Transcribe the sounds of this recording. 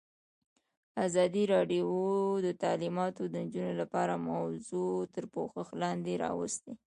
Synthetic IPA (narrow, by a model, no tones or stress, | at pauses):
azɑd̪iɾɑɖiod̪ət̪ɑlimɑt̪od̪ənd͡ʒunolapɑɾamawzot̪əɾpoxəxlɑnd̪eɾɑ̰wə̰st̪e